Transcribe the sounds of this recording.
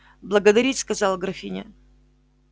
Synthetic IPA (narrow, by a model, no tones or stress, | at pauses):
blˠəɡəd̪ɐɾʲitʲskɐzɑlˠɡɾɐfʲinʲɪ̰